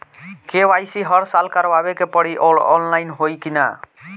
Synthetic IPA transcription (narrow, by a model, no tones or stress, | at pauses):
kewajsiɦʌɽsalkaɾbabekepɔɽiʔolɔ̰nlajnɦojkina̰